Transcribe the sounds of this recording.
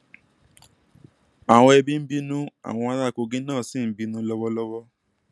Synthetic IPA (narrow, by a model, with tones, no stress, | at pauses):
a˨w̃ɔ̃˧ɛ˧bi˦m̩˦bi˦nũ˦a̰˨w̃ɔ̃˧a˧ɾa˦˨ko˧ɡĩ˦nãː˦˨si˦˨˦bi˨˧˦nũ˧˦lɔ˦wɔ˦lɔ˦wɔ˦